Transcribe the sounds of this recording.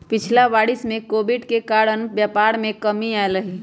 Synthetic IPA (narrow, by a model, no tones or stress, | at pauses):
pɪt͡ʃʰlaʋaːɽismẽkobiɖkekaːɾənbjapaɾmẽkəmiaeləɦi